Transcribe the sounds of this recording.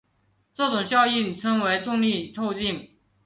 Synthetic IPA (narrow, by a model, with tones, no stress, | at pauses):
ʈ͡ʂɤ˥˩ʈ͡ʂʊ˨˩ŋɕjɑ˥˧ʊi˥˩nʈ͡ʂʰɤ˥ŋwe˧˥ɪʈ͡ʂʊ˥˧ŋli˥˧t̪ʰo˥˧ʊt͡ɕi˥˩n